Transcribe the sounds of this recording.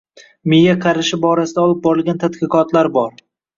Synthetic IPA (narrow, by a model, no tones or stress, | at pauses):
mɪjaqʰɑɾɪʃɪbɒɾasɪd̪aɒlˠɪp̚bɒɾɪlɡʲant̪ʰat̪qɨqʰɒt̪laɾbɒɾ